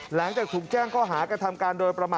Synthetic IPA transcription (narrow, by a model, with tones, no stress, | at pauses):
la˩˦ŋt͡ɕaː˨˩k̚t̪ʰuː˨˩k̚t͡ɕɛː˥˩ŋkʰɔː˥˩ɦaː˩˦kɾa˧t̪ʰa˧mkaː˧ndoː˧jpɾa˧maː˨˩